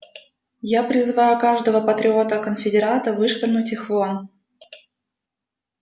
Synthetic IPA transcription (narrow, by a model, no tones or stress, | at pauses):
japɾʲɪzvajʊkaʐd̪əvəpət̪ɾʲɪo̞t̪əkənfʲɪdʲɪɾat̪əvɨʂpərnʊtʲixvon